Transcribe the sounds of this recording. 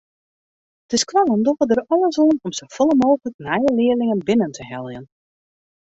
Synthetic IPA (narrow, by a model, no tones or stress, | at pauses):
d̥ɪskʋaləndɔɣədərɔlˠəsɔnɔmsowfɔlˠəmoːxələk̚nɛjəlɪəlɪŋənbɪnəntʰəhɛlˠjən